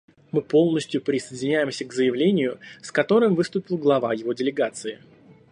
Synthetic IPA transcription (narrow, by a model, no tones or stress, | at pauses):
mɨpo̞lˠnəsʲtʲjʊpɾʲɪsəjɪdʲɪnʲæjɪmsʲəɡzəjɪvlʲenʲɪjʊskɐt̪o̞ɾɨmvɨst̪ʊpʲɪlˠɡlˠɐvajɪvo̞dʲɪlʲɪɡat̪sɨɪ